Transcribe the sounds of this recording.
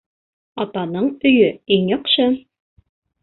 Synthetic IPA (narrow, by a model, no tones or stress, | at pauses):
ɑt̪ɑnɤɴɵ̆jɵiŋjɑqʃɤ